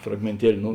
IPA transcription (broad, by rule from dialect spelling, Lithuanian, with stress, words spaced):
frɐɡmʲeːnʲˈtʲiɛlʲɪ ˈnʊ